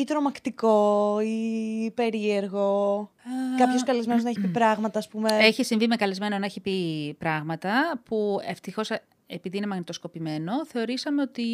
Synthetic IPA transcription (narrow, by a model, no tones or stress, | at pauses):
it̪ɾo̞mɐkt̪iko̞ipe̞ɾie̞ɾɣo̞ | kɐpço̞skɐlezmenoznɐeçipipɾɐɣmɐt̪ɐːspume̞eçisiɱvimekɐlezme̞nonɐeçipipɾɐɣmɐt̪ɐpueft̪ixo̞s | epiðine̞mɐɣnit̪o̞sko̞pime̞no̞θe̞o̞ɾisɐme̞o̞t̪i